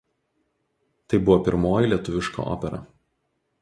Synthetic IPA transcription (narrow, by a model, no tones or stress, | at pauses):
t̪ɐɪbʊʋoːpʲɪɾmoːjɪlʲiɛt̪ʊʋʲɪʃko̰ːʔo̰ːpʲɛɾɐ̰